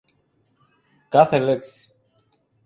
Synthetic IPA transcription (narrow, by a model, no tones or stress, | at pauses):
kɐθeleksi̥